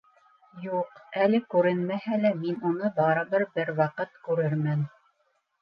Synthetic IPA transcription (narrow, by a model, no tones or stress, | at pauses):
juqælɘkʉɾɘnmæhælæminunɤbɑɾɤ̆βɤɾbɘɾwɑqɤt̪kʉɾɘɾmɘn